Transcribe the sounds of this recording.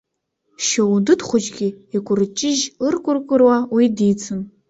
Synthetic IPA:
ʃowudɨdχʷʊd͡ʒɡʲiikʷʼʊrɨt͡ʃʼɪʒɨrkʷʼʊrkʷʼʊrwawidit͡sʰɨn

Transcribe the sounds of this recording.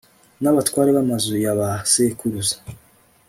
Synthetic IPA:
naβatkwaːɾeβamazujaβasekuɾuzḁ

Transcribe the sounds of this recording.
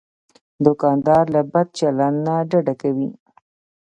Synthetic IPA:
d̪ʊkɑnd̪ɑɾlabad̪̚t͡ʃalanːaɖaɖakawi

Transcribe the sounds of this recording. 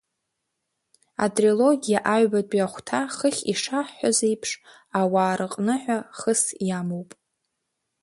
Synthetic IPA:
a̰tʼroloɡʲijaʔaɥbadʷʼaχʷtʰaχəχʲiʂaħːazejpʰʂ | awaːɾɨqʼnɨħʷᶣaχəsjamowpʼ

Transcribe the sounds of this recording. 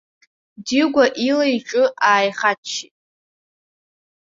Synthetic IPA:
diɡʷaʔilajʈ͡ʂʼɨʔaːjχat͡ʃʰːitʼ

